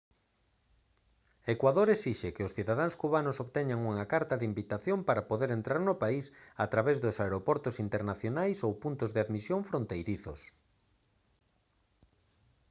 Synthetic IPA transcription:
ekwaðoɾesiʃekeʊsθiðaðaŋskuβanosoβt̪ɛɲaŋuŋakaɾt̪aðimbit̪aθjompaɾapoðeɾent̪ɾaɾnopaisat̪ɾaβezðosaeɾopɔɾt̪osint̪eɾnaθjonajsowpunt̪ozðeaðmisjoɱfɾont̪ejɾiθo̰s

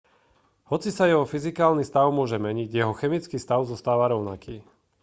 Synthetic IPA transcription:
hɔt͡sisajɛɦɔfizikaːlnist̪aʊmʊɔʒɛmɛɲiɟjɛɦɔxɛmit͡skiːst̪aʊzɔst̪aːʋaɾɔʊna̰kiː

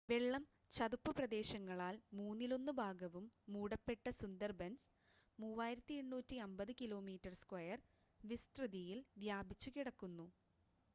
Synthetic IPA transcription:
ʋe̞ɭːɐm | t͡ɕɐðupːɨprɐd̪e̞ːɕɐŋːɐɭaːlmuːnːilo̞nːubʱaːɡɐʋumːuːɽɐpːe̞ʈːɐsund̪ɐrbɐns | muːʋaːjiɾɐt̪ːie̞ɳːuːtːiɐmbɐðɨkilo̞ːmiːtːɐrskwɐjɐr | ʋist̪rɨðijilʋjaːbʱit͡ɕːukiɽɐkːunːu

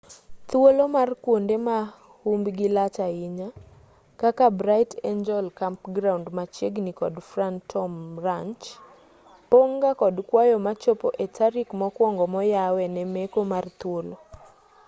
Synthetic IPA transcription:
t̪wolomarkwondema | humbɡilat͡ʃaɪɲa | kakabɾaɪtʰend͡ʒɔlkampɡɾawndmat͡ʃjeɡnikɔdfrantʰɔmraɲt͡ʃ | poŋɡakɔdkwajɔmat͡ʃopoʔetaɾikmɔkwɔŋɡɔmɔjawɛnɛmekomart̪wolo

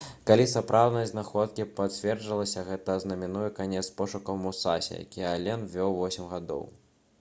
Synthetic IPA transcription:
kalʲisapɾʔawd̪ɐjɐznaxɔt̪̚kʲipat͡sʲvʲɛrʐɨlˠɐsʲɐɣɛt̪ɐznɐmʲinujɛkanʲɛt̪spɔʂukɐwmusasʲɛ̰ja̰kʲijɛalʲɛnvʲɔwvɔsʲimɣad̪ɔ̰w

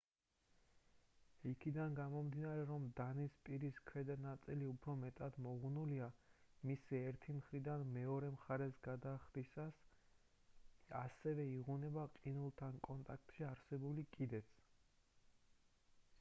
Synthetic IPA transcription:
ikʰid̪anɡamɔmd̪inaɾɛɾɔmd̪anispʼiɾiskʰwɛd̪anat̪sʼiliupʰɾɔmɛt̪ʼad̪mɔʁnuliamisiɛɾt̪ʰimχɾid̪anmɛɔɾɛmχaɾɛsɡad̪aːχd̪isas | asɛvɛiʁunɛbaqʼinulˠt̪ʰankʼɔnt̪ʼak̚ʰt̪ʼʃiaɾsɛbulikʼid̪ɛt̪sʰ

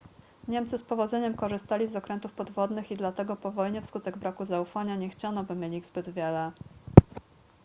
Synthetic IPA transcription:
ɲɛmt̪sɘspɔvɔd̪zɛɲɛmkɔʐɘst̪alʲizɔkɾɛnt̪ufpɔd̪vɔd̪nɘxid̪lat̪ɛɡɔpɔvɔjɲɛfskut̪ɛɡbɾakuzaufaɲaɲɛxt͡ɕanɔbɘmʲjelʲiɣzbɘd̪vʲjɛlɛ

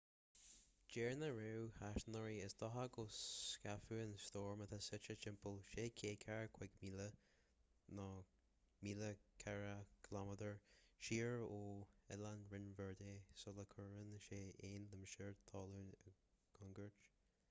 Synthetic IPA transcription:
d͡ʒɛːɹnəɹewhaʃnəɹiəsd̪ʰɔɦaɡoskafuːənst̪ɔːɹmət̪ʰasɪt͡ʃət͡ʃɪmpəlʃeːkʰeːkʰaɹkʰwɛɡmiːlə | nɔ | miːləkʰɛɹəkʰlaməd̪əɹʃiːɹoːɛlanɹɪnvɛɹd̪eːsɔləkʰəɹənʃeːeːnləməʃɪɹt̪ʰɑːluːnəɡ̥ɔŋɡəɹt͡ʃ

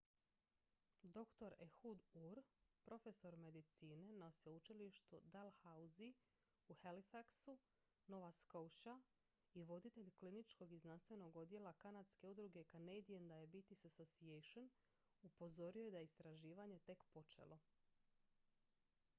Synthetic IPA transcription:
d̪o̞kt̪o̞ɾexud̪uɾpɾo̞fe̞so̞ɾme̞d̪it̪siːne̞nosout͡ʃiliʃt̪ud̪alhauzi | uhalifaksu | no̞ʋaskowʃa | iʋo̞d̪it̪e̞ʎklinit͡ʃko̞ɡiznanst̪ʋe̞no̞ɡo̞d̪je̞lˠakanad̪ske̞ud̪ɾuɡe̞kanejd̪iend̪aje̞bit̪isasosiejʃon | upo̞zo̞ɾioje̞d̪ajeist̪ɾaʒiːʋaɲe̞t̪e̞kpo̞t͡ʃe̞̰lˠo̞

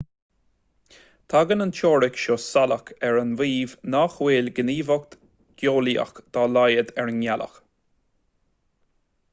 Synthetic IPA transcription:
t̪ʰaɡənənt͡ʃʰɔːɹɪkʃoːsaləkʰɛɹənviːvnaxweːlɡəniːvɔk̚t̪ | ɡ̥joːliə̰xd̪̥ɔːlajəd̪ɛɹənjalə̰x

